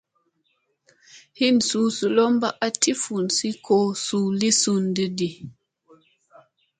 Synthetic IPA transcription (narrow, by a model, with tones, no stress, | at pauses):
hi˦nsuː˨˦su˨lo˦mba˦ʔa˦ti˦fu˨nsi˦kʰo˦su˨li˦su˦ndi˦di˨